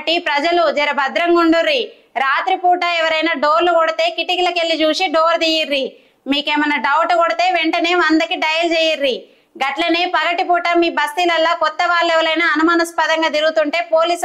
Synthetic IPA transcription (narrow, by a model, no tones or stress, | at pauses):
ʈipɾɐd͡ʒɐlud͡ʒɐɾɐbʱɐd̪ɾɐŋɡuɳɖuɾːi | ɾaːt̪ɾipuːʈaɛʋɐɾɐjnaːɖoːɾlukɔɽit̪e̞ːkiʈikilɐkelːid͡ʒuːʃiɖoːɾd̪iːjiɾːi | miːkeːmɐnːɐɖɐwʈɐkɔɽit̪e̞ːʋeɳʈɐne̞ːɐnd̪ɐkiɖɐjɐld͡ʒeːjiɾːi | ɡɐʈlɐneːpɐɡɐʈipuːʈɐmiːbɐst̪ilɐlːaːkɔt̪ːɐʋaːɭːɛʋɐɾɐjnaːɐnumaːnɐspɐd̪ɐŋɡaːt̪iɾɡut̪uɳʈe̞ːpoːliːs